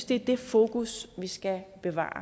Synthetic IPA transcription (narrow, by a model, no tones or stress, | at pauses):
d̥e̝d̥e̝fo̝ːkusʋisɡ̥æb̥e̝ʋɑ̰̈ː